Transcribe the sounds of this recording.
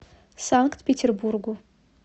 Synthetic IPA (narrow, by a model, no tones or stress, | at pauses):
saŋktpʰʲetʲʰerburɡu